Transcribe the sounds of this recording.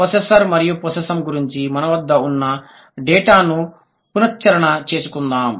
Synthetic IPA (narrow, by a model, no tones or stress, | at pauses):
pɐsesɐɾmɐɾijupɐsɐsɐmɡuɾiɲt͡ʃimɐnɐʋɐd̪ːɐunːɐ | ɖɛːʈaːnu | punɐt̚t͡ʃːɐɾɐɳɐt͡ʃe̞ːsukund̪aːm